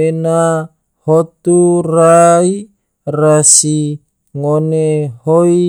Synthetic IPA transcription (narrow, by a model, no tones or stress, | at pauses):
ena | hot̪urai | rasi | ŋonehoi